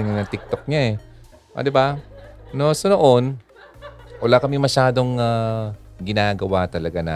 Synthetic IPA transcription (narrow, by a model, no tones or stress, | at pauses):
ŋɐt̪ɪk̚t̪o̞k̚ɲaɛ | ʔo̰d̪ɪbanosɐnoʔon | wɐlaːkɐmɪmɐʃaːd̪o̞ŋaɡɪnaːɡɐwat̪ɐlɐɡana̰